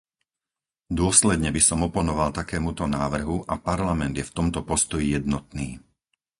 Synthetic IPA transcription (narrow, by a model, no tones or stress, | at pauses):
d̪ʊɔslɛd̪ɲɛbisɔmɔpɔnɔʋalt̪akɛːmut̪ɔnaːʋr̩ɦuʔapaɾlamɛnd̪jɛft̪ɔmt̪ɔpɔst̪ɔjijɛd̪nɔt̪niː